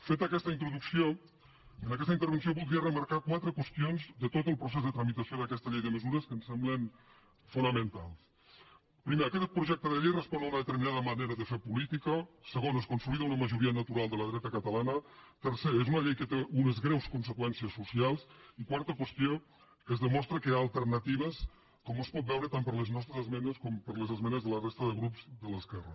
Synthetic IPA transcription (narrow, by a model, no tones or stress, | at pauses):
fet̪akɛst̪əint̪ɾuðuksio | ənakɛst̪əint̪əɾβəns̬joβulˠd̪ɾiərəmaɾkakwat̪ɾəkwəst̪ionzðət̪ot̪əlˠpɾusezðət̪ɾamit̪asjoðəkɛst̪əʎejðəməzuɾəskənsɛmblən | funəmə̃nt̪alˠs | pɾimeakɛt̪pɾuʒɛk̚t̪əðəʎejrəspɔnaunəðət̪əɾminaðəmaneɾəðəfeɾpulit̪ikəsəɣonəskunst̪ɾuiðaunəməʒuɾiənət̪uɾalˠd̪ələðɾɛt̪əkət̪alanət̪əɾseezunəʎejkət̪eʔunəzɣɾɛwskunsəkwɛnsiəsːusialˠsikwaɾt̪əkwəst̪io | kəzðəmɔst̪ɾəkəaːlˠt̪əɾnət̪iβ̞əs | kɔmospɔt̪̚bɛwɾət̪ampəɾləznɔst̪ɾezəzmɛnəskɔmpəɾləzəzmɛnəzðələrest̪əðəɣɾupzðələskɛrə